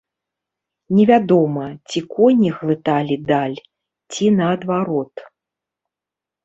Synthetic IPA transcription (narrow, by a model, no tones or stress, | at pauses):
nʲɛvʲad̪ɔmɐt͡sʲikɔnʲiɣvɨt̪alʲid̪alʲ | t͡sʲinɐːd̪vaɾɔt̪